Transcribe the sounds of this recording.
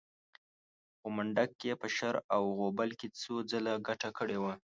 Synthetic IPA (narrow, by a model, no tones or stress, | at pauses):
xomaɳɖakːepəʃaɾawɣobalket͡sod͡zəlaɡaʈakəɽewa